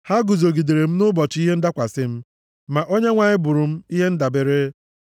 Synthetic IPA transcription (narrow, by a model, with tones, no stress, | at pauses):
ha˦ɡʊ˨zo˨ɡi˨de˨ɾe˨m̩˦nʊ˦bɔ˨t͡ʃɪ˦i˦ɦe˦n̩˦da˦kʷa˨sɪ˦m̩˦ | ma˨ʔo˦ɲe˦ŋʷa˨ɲɪ˦bʊ˨ɾʊ˨m̩˦i˦ɦe˦n̩˦da˨be˨ɾe˦